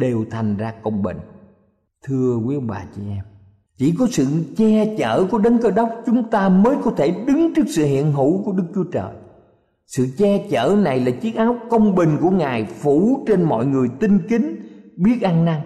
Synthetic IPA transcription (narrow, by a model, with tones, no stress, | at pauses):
ɗe˨˩wt̪ʰa˨˩jŋ̟zaː˧kə˧wŋ͡mɓï˨˩ŋ̟ | t̪ʰɨ˧əki˨˦ɓa̰ː˨˩t͡ɕi˧ʔɛ˧m | t͡ɕi˧˩kɔ˨˦sɨ̰˧˨t͡ɕɛ˧t͡ɕə̰ː˧˩ku˧˩əɗə˨˦nkəː˧ɗə˦˥wk͡p̚t͡ɕʊ˨˦ŋ͡mt̪aː˧məː˨˦jkɔ˨˦t̪ʰe˧˩ɗɨ˨˦ŋt͡ɕɨ˦˥ək̚sɨ̰˧˨hḭ˧˨ənɦṵ˧˩˥ku˧˩əɗɨ˦˥k̚t͡ɕu˨˦ət͡ɕə̰ː˨˩j | sɨ̰˧˨t͡ɕɛ˧t͡ɕəː˧˩na˨˩jlaː˨˩t͡ɕi˦˥ək̚ʔaː˨˦wkə˧wŋ͡mɓï˨˩ŋ̟ku˧˩əŋaː˨˩jfu˧˩˥t͡ɕe˧nmɔ̰˧˨jŋɨ˨˩əjt̪ï˧ŋkï˨˦ŋ̟ɓi˦˥ət̚ʔa˧ŋna˧ŋ